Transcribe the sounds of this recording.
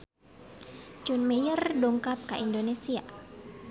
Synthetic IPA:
d͡ʒɔnmejərduŋkap̚kaʔindonesia

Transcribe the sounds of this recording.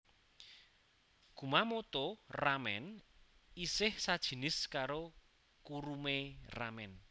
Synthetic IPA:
ɡ̥ṳmamot̪oramɛ̰n | isɪhsad̥ʒ̥i̤nɪskaɾo | kuɾumera̰mɛn

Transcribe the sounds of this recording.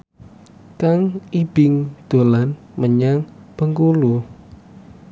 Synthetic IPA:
kaŋib̥ɪŋd̪̥o̤lan | məɲaŋpəŋkulu

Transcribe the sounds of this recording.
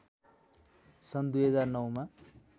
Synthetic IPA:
sʌnd̪ujɦʌd͡zarnʌwma

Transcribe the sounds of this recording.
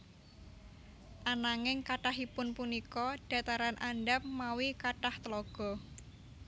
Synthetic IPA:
ʔanaŋɪŋkaʈaɦipʊnpunikɔɖ̥a̤t̪aɾanʔanɖapmawikaʈaht̪əlɔɡ̥ɔ̤

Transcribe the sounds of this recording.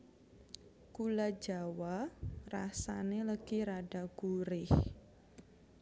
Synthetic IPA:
kulḁd͡ʒawarasaneləɡ̥iɾaɖaɡ̥uɾɪh

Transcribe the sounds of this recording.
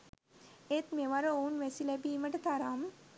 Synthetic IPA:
et̪meʋaɾoounʋɛsilɛbiːməʈɐt̪aɾam

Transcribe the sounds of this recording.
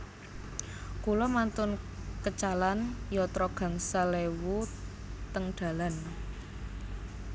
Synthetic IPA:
kulɔmant̪ʊnkət͡ʃalanjɔt̪ɾɔɡ̥a̤ŋsalewu | t̪əŋɖ̪̥a̤lan

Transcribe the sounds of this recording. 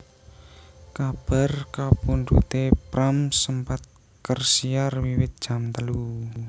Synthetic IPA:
kab̥a̤rkapundut̪epɾamsəmpat̪̚ | kərsiarwiwɪt̪̚d̥ʒ̥a̤mt̪əlu

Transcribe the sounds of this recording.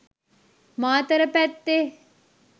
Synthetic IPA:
maːt̪ɐɾɐpɛt̪ːe

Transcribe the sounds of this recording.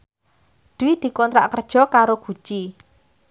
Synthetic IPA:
d̪̥wid̪̥i̤kɔnt̪ɾa̰ʔkərd̥ʒ̥ɔ̤kaɾoɡ̥ṳt͡ʃi

